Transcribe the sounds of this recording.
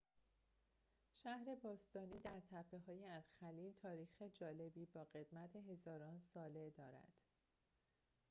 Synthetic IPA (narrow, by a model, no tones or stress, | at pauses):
ʃæhɾe̞bɒːst̪ɒːniːd̪æɾt̪ʰæpʰːe̞ɦɒːjeæzxæliːlt̪ʰɒːɾiːxed͡ʒɒːle̞biːbɒːɢe̞d̪̥mæt̪ʰe̞ɦe̞zɒːɾɒːnsɒːle̞d̪ɒːɾæ̰d̪̥